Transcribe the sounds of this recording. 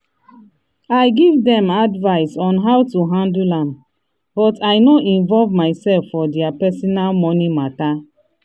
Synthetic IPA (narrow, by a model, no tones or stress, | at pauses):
ajɡivdɛ̃madvaɪsɔ̃nɦawtuɦãndulãm | bɔtajnoʔĩnvɔlvmaɪsɛlfːɔdɛapɛsɔnalmɔnimata